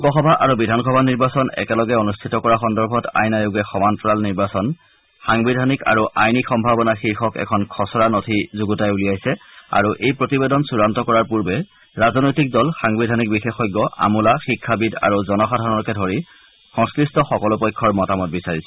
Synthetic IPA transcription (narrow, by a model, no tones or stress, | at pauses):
ukɔxɔbʱaʔaɹubidʱanxɔbʱaniɹbasɔnɛ̰kɛlɔɡɛonustʰitɔkɔɹaxɔndɔɹbʱɔta̰jnajoɡɛxɔmantɹalniɹbasɔn | xaŋbidʱanika̰ɹuʔajnikxɔmbʱabɔnaxiɹxɔkɛ̰kʰɔnkʰɔsɔɹanotʰizuɡutajulijajsɛa̰ɹuʔejpɹotibedɔnsuɹantɔkɔɹaɹpuɹbɛ | ɹazɔnojtik̚dɔlxaŋbidʱanik̚bixexɔjɡːɔʔa̰mulaxikʰːabida̰ɹuzɔnɔxadʱaɔɔkɛdʱɔɹi | xɔ̃ŋskɹistɔxɔkɔlʊpɔjkʰːɔɹmɔtamɔt̚bisaɹisɛ̥